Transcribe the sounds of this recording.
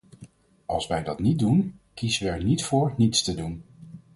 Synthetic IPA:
ʔɑ̰lˠsʋɛjdɑtnit̚dunkizəʋəɛɹnitfʊːɹnitstədun

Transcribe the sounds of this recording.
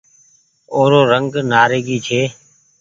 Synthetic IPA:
oːɾoːɾəŋɡnaːɾeːɡiːt͡ʃʰeː

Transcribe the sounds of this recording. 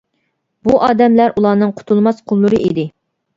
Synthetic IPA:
buʔɑːd̪ɛmlæɾʔulˠɑːnɨŋqʰʊ̥t̪ʰulˠmɑsqʰolˠːuɾɨḭd̪ɪ

